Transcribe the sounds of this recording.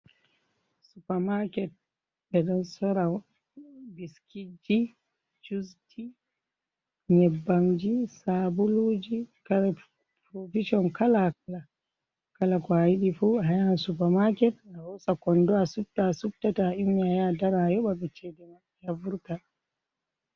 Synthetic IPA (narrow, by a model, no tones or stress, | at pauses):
supamakɛt̚ | ɓɛɗɔnsɔɾa | biskid͡ʒi | t͡ʃustʰi | ɲɛbːamd͡ʒisabulud͡ʒikaɾɛ | pɾofiʃɔnkalakala | kalakɔajiɗifuajansupamakɛt̚ahɔsakɔndɔasup̚tːasup̚tːataimːiajadaɾajɔɓabɛt͡ʃedɛma | javuɾta